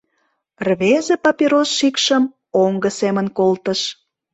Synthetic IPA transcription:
rβezepɑpiɾosʃikʃəm | oŋɡəsemənkolt̪əʃ

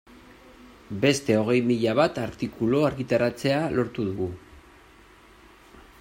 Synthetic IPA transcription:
be̞st̪e̞o̞ɣ̞e̞jmiʎaβat̪aɾt̪ikulo̞aɾɣit̪aɾat͡se̞alo̞ɾt̪uðuɣu

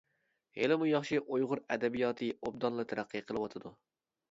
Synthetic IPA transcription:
helɪmujɑχʃiʔojʁʊɾæd̪ɛbijɑt̪ʰɨob̚d̪ɑnlˠɨt̪ʰæɾæqːɨqʰəlˠɨwɑt̪ʰɪd̪u

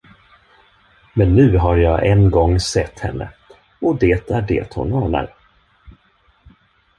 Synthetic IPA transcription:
mɛnːʉ̟ːɦaɾjɑːʔɛnɡɔŋːsɛt̪ːhɛ̰nːə̰ | ɔd̪eːt̪æɖḛːt̪hʊ̰nɔːɳa̰ɾ

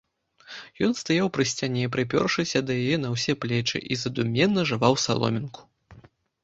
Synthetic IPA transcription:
jɔnst̪ajawpɾɨsʲt͡sʲanʲɛpɾɨpʲɔ̰rʂɨsʲɐd̪ɐjajɛnɐwsʲɛplʲɛt͡ʂɨ̰ʔizɐd̪umʲɛnːɐʐɨvawsa̰lˠɔ̰mʲinku̥

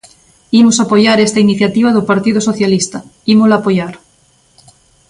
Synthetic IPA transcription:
imosapojaɾest̪ainiθjat̪iβaðopaɾt̪iðosoθjalist̪aimolaːpojaɾ

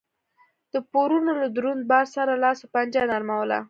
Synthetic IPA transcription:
d̪̥əpoɾunolad̪ɾun̚bɑɾsaɾalɑsopand͡ʒɑnaɾmawəla̰

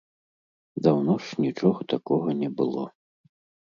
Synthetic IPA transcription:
d̪awnɔʂnʲit͡ʂɔɣɐt̪akɔɣɐnʲɛbɨlˠɔ

